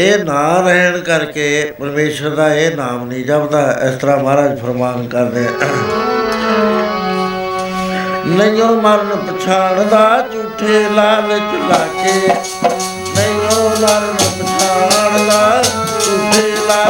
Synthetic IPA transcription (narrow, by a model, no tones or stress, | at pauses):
eːnaːɾəːɦɳkəɾkeːpəɾmeːʃəɾd̪aːeːnaːmnĩːd͡ʒəbd̪aːɪ̰st̪əɾaːmaːɾaːd͡ʒpʰəɾmaːnkəɾd̪eː | nəĩjõːməɾənpət͡ʃʰaːɳd̪aːt͡ʃuːʈʰːeːlaːlɪt͡ʃlaːt͡ʃeː | nəĩjõːləɾnp̪ət͡ʃʰaːɳd̪aːt͡ʃuʈʰːeːlaː